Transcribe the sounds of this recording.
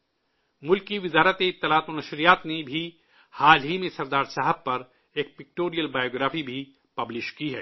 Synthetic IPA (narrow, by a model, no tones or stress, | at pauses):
mʊlkiʋɪzaːɾət̪eɪt̪ːɪlaːt̪ʊnɐʃɾijaːt̪nebʱi | haːlɦimẽsɐɾd̪aːɾsaːɦəb̚pɐɾ | eːk̚pɪk̚ʈoːɾijəlbaːjoːɡɾaːfibʱi | pɐblɪʃkiɦɛ̰ː